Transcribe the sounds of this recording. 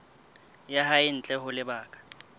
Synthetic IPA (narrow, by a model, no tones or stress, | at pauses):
jahaɪn̩t͡ɬʼɛhʊlɪbaːkʼḁ